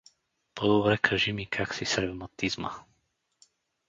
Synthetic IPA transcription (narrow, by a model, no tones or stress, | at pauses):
pɔd̪obɾɛkʰaʒimikʰaksisɾɛvmat̪izmə̰